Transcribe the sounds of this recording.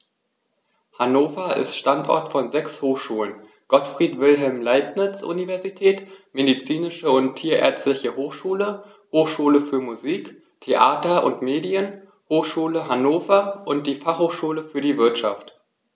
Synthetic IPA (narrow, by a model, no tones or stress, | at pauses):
hanoːfɐɪ̰stʃtantʔɔ̰ɐtfɔnzɛkshoːxʃuːlən | ɡ̥ɔtfʁ̥iːtv̥ɪlɦɛlmlaɪpnɪt͡sʔṵnivɛɐzitʰɛːtmedit͡siːnɪʃəʊntʰːiːɐʔɛ̰ɐt͡stlɪçəhoːxʃuːlə | hoːxʃuːləfyːɐmuziːk | tʰeʔaːtɐʔʊ̰ntmeːdiən | hoːxʃuːləɦanoːfɐʔʊnt̚d̥iːfaχhoːxʃuːləfyːɐdiːvɪɐtʃaft